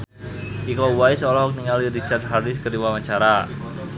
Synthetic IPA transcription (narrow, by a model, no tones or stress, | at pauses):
ʔikɔwajsɔlɔɦɔk̚niŋaliɾit͡ʃard̪̚ɦardɪs̬kəɾiwawaɲt͡ʃaɾa